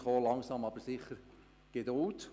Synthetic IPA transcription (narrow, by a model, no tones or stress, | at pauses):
χoːlɑŋsɑmɑb̥əɾsɪχəɾ | ɡ̥edʊlt